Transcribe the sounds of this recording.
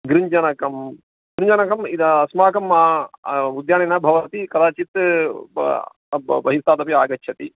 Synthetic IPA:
ɡɾiɲd͡ʒɐnɐkɐm | ɡɾiɲd͡ʒɐnɐkɐmid̪ɐɐsmaːkɐmaːud̪jaːninɐbʱɐʋɐt̪ikɐd̪aːt͡ʃit̪ | bbɐɦist̪aːd̪ɐpiaːɡɐt͡ʃʃʰɐt̪i

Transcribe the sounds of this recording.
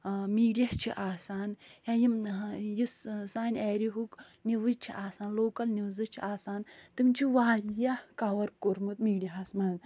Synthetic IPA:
miːɖijɐst͡ʃʰiʔaːsaːnhajimjissaːnʲeːɾiɦuk | niʋɨd͡ʒt͡ʃʰiʔaːsaːnloːkɐlnizɨt͡ʃʰiʔaːsaːnt̪ɨmʲt͡ʃʰiʋaːlijakawɐɾkoɾmut̪miːɖijɐɦasmɐn

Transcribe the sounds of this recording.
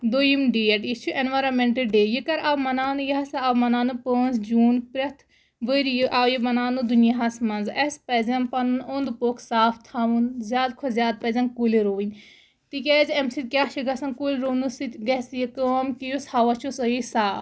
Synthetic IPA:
d̪ojimɖiːeʈist͡ʃʰuʔenʋaːɾɐnmeɳʈɨɖeːjikɐɾabmɐnaːnujɐɦɐsaamɐnaːnɨpəːnzd͡ʒuːnpɾʲɐt̪ʰ | ʋəɾjɨʔajimɐnaːnud̪unjaɦɐsmɐnzɐspɛzɐmpɐnɨnond̪poːkʰsaːfʰt̪ʰaːʋunzʲjaːd̪kʰozʲjaːd̪̚pɛzʲɐnkuliɾoːʋinʲ | t̪ikʲɛːzɐmsit̪̚kʲjaːʃʰiɡɐsɐnkulʲɾoːnusit̪ɡɐsjikəmkijushaʋɐt͡ʃʰusəjisaː

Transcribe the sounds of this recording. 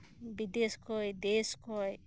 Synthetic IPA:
bid̪eskɔjd̪eskɔj

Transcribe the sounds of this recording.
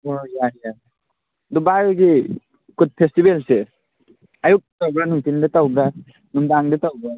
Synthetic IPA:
ojaja | dubajɡi | kud̚pʰestibelse | ajuk̚ttawɡɾanuŋtindetawɡɾa | numdaŋdetawɡɾa

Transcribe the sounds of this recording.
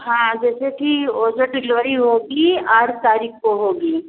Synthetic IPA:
ɦãːd͡ʒɛːsekioːd͡ʒəʈɪlʋəɾiɦoːɡiaːɾt̪aːɾiːkʰkoɦoːɡiː

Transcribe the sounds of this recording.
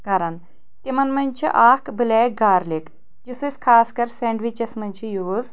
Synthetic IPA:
ɡɐɾɐn | t̪imɐnmɐnʲt͡ʃʰḭʔaːkbɨleːkɡaːɾlik | jusɨsʲkʰaːskɐɾseɳɖʋit͡ʃɐsmɐnʲt͡ʃʰijuːz

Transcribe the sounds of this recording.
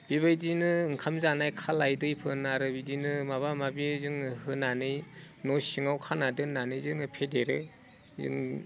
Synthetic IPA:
biβajdinɯɯŋkʰamzanajkʰalajdɯjpʰɯnaɾɯbidinɯmaβamabizɯŋhɯnanɯj | nɔsiŋawkʰanadɯnanɯjzɯŋɯpʰedeɾe | zɯ̰ŋ

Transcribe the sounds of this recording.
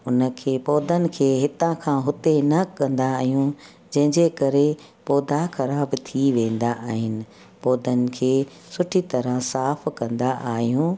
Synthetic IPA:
ʊnə̆kʰeːpɔːd̪ʱənɪ̆kʰeːɦɪt̪ãkʰãːɦʊt̪enɐkɐ̃nd̪aːɦijũ | d͡ʑɐ̃ɦɪ̃ɲd͡ʑekɐɾe | pɔːd̪axɐɾaːbt̪ʰiʋẽːn̆d̪aʔaːɦɪnɪ̆ | pɔːd̪ənɪ̆kʰeː | sʊʈʰit̪ɐɾəɦsaːfkɐ̃nd̪aʔaːɦijũː

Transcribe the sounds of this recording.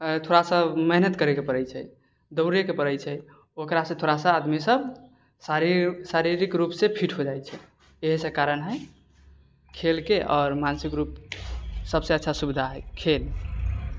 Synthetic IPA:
t̪ʰoɾasə̃məɦnət̪kəɾekepəɾɛjt͡ʃʰɛ | d̪əʊɾekepəɾəjt͡ʃʰɛ | okɾasə̃t̪ʰoɾasə̃ad̪misəb | saɾisaɾiɾikɾupsepʰiʈɦod͡ʒajt͡ʃʰɛ | eɦisə̃kaɾənɦəj | kʰelkeʔɔːɾmansikɾup̚ | səbseətːʃʰasubid̪ʱaɦɛjkʰel

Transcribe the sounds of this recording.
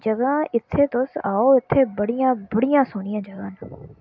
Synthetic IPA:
d͡ʒəɡãːɪt̪ʰːeːt̪ʊsaːoːɪt̪ʰːeːbəɽɪjãːbəɽɪjãːsʊnɪjãːd͡ʒəɡãːn

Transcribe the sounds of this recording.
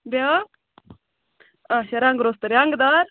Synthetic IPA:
bja | aɕɐɾaːŋɡɾoːst̪ɐɾjaŋɡd̪aɾ

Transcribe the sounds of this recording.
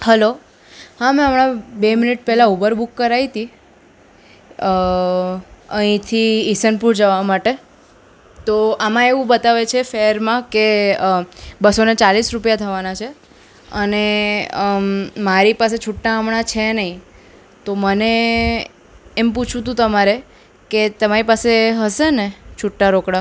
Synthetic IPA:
həlo | hãmɛ̃əmɽabeminiʈ̚pɛɦlaubəɾbukːəɾait̪i | əɦĩt̪ʰiːsənpuɾd͡ʒəʋamaʈe | t̪oamãeʋũbət̪aʋet͡ʃʰefeəɾmãke | bəsonet͡ʃalisɾupjat̪ʰəʋanat͡ʃʰe | əne | maɾipaset͡ʃʰuʈnaamɳat͡ʃʰenəĩ | t̪oməne | mput͡ʃʰũt̪̬ũt̪əmaɾe | ket̪əmaɾipaseɦəʃenet͡ʃʰuʈːaɾokɽa

